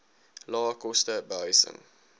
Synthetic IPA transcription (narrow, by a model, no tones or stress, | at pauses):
lɑːkɔstəbəɦœɥsə̰ŋ